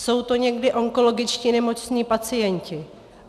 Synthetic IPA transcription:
so̞wt̪o̞ɲɛɡdɪʔo̞ŋko̞lo̞ɡɪt͡ʃciːnɛmo̞t͡sɲiːpat͡sɪjɛɲcɪ

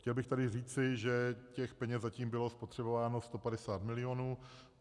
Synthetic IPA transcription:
xcɛlbɪxt̪adɪriːt͡sɪʒɛcɛxpɛɲɛszaciːmbɪlo̞spo̞t̪r̝̥ɛbo̞vaːno̞st̪opadɛsaːt̪mɪlɪjo̞nuː

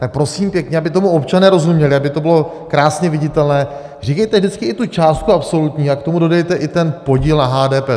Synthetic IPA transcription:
t̪ak̚pɾo̞siːmpjɛkɲɛabɪt̪o̞muo̞pt͡ʃanɛːɾo̞zumɲɛlɪabɪt̪o̞bɪlo̞ | kɾaːsɲɛvɪɟɪt̪ɛlnɛː | r̝iːkɛjt̪ɛvʒdɪt͡skɪɪt̪ut͡ʃaːst̪̚kuapso̞lut̪ɲiːakt̪o̞mudo̞dɛjt̪ɛʔɪt̪ɛnpo̞ɟiːlnaɦaːdɛːpɛː

